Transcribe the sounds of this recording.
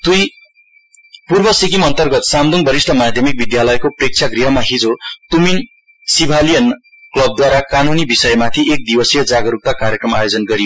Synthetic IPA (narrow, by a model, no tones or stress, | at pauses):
d̪̥uj | purbʌsikimʌnt̪ʌrɡʌt̪samd̪uŋbʌɾist̪ʰʌmad̪ʱjʌmik̚bid̪jalʌjkoprek̚t͡sʰaɡriɦʌmaɦid͡zot̪umin | sibʱalijʌn | klʌb̚d̪waɾakanunibisʌjmat̪ʰiʔek̚d̪ibʌsijʌd͡zaɡʌɾup̚t̪akarjekrʌmajod͡zʌnɡʌɾijo